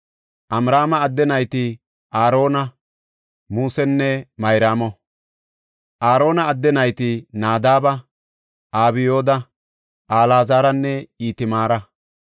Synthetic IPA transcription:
ʔɐmɾaːmɐːd̪ːɛnɐjt̪ɪ | ʔaːɾo̞ːnɐ | muːsɛnːɛmɐjɾaːmɔ | ʔaːɾo̞ːnɐːd̪ːɛnɐjt̪ɪnaːd̪aːbɐ | aːβɪjo̞ːd̪ɐ | ʔaːlaːzaːɾɐnːɛiːt̪ɪmaːɾɐ

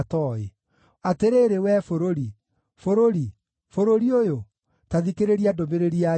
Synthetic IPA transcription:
tɔe | ateɾeɾewɛfoɾoɾi | foɾoɾi | foɾoɾiojo | taðikeɾeɾiadomeɾeɾia

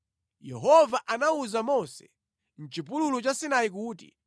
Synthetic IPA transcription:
jɛɦɔvaʔanauzamɔsɛ̥ | n̩t͡ʃipululut͡ʃasinaik̬uːtḭ

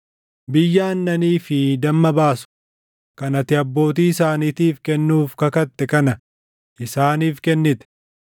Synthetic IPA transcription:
bɪjːaːnːɐniːfɪd̪ɐmːɐbaːsʊ̥ | kɐnɐt̪ɪɐbːo̞ːt̪̬iːɪsaːniːt̪iːfkɛnːuːfkɐkɐt̪ːɛkɐnɐ | ʔɪsaːniːfkɛnːɪt̪ɛ̥

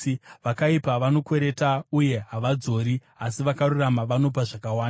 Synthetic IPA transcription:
ʋakaipaʋano̞kwe̞ɾe̞tauje̞ɦaʋad͡zo̞ːɾi | asiʋakaruramaʋano̞p̬aʐakawaːna

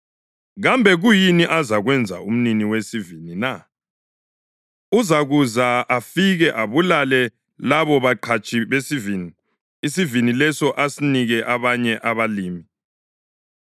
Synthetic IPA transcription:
ɣambʱɛɣujiniʔazaɣwɛnd͡zʱa̰um̩niniwesivinina | uzaɣuzaafiɣɛʔaβulalɛ | laβɔβaǃʰat͡ʃʼiβesiviniː | sivinilɛsɔʔasiniɣɛʔaβaɲɛʔaβaliːmi

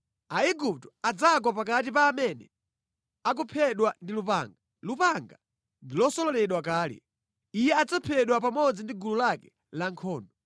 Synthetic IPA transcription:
aiɡup̚tɔ̥ad͡zak̬wapak̬at̬ipaːmɛnɛ̰ | ak̬upʰɛɗwandilupa̰ŋɡa | lupaŋɡa | ndilɔsɔlɔlɛɗwak̬aːlɛ̰ | ijɛad͡zapʰɛɗwapamɔd͡zindiɡululakɛ | laŋkʰɔːndɔ

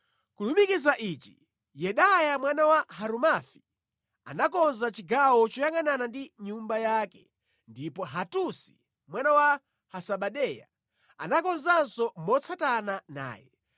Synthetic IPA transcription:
kulumikizaʔit͡ʃi | jɛɗajamwanawaɦaɾumafi | a̰nakɔnzat͡ʃiɡawɔt͡ʃɔjaŋananandiɲumbajaːkɛ | ndipɔɦatusi̥ | mwanawa | hasaɓaɗɛja̰ | a̰nakɔnzansɔmɔt͡sʰatanana̰ːjɛ̰

